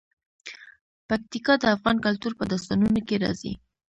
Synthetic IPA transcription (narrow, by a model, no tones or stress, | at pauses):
pak̚t̪ikɑd̪əafɣɑnkalt̪uɾpəd̪ɑst̪ɑnunokeɾɑ̰zḭ